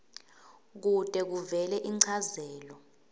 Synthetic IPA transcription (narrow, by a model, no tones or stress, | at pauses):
k̬ud̥ʼɛk̬uvɛlɛʔiŋ͡ǀʰazɛːlɔ